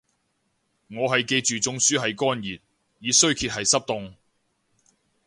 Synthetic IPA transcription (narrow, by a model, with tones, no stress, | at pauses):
ŋɔː˨˧ɦɐ˨jke˧jt͡ʃyː˨t͡sʊ˧ŋsyː˨˥ɦɐ˨jkɔː˥njiː˨˩t̚ | jiː˨˥sɵ˥ɥkʰiː˧t̚hɐ˨jsɐ˥p̚t̪ʊ˧ŋ